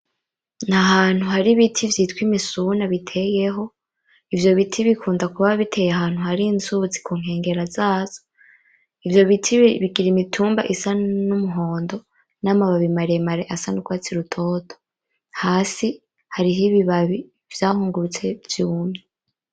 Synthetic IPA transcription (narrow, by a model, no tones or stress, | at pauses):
n̥haɦaːn̥huɦaɾiβitʰivjiːtkwimisunaβitʰe̞jeɦo̞ | ivjo̞βitʰiβikʰuːndakuβaββitʰe̞ːjeaɦaːn̥huhaɾinzut͡si̥kuːŋ̥e̞ːŋɡe̞ɾazaːz̥o | ivjo̞βitʰiβiɡiɾimitʰuːmba̰ʔisanumuɦoːndo̞ | naːmaβaβimaɾemaɾeʔasanukwaːt͡siɾutʰo̞ːtʰo̥ | haːsi | haɾiɦiβiβaβi | v̥jaːhuːŋɡuɾut͡se̞vjumɲe